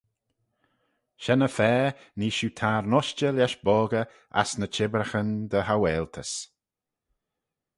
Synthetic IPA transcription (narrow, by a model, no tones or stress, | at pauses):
ʃɛnəfɛː | niːʃut̪ʰaːɾnɔʃt͡ʃəlaʃbɔːɡə | a̰snət͡ʃʰɪbɾəxənd̪əhawɛːltʰəs